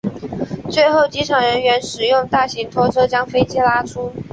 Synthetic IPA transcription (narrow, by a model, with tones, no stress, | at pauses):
t͡swe˥˧ɪxo˥˩ʊt͡ɕi˧˥ʈ͡ʂʰɑ˨˩ŋɻə˧˦˥nɥɛ˧˥nʂɻ̩˨˩jʊ˥˧ŋt̪a˥˩ɕi˧˥ŋt̪ʰwɔ˥ʈ͡ʂʰɤ˥t͡ɕjɑ˥ŋfe˥ɪt͡ɕjɛ˥la˥ʈ͡ʂʰu˥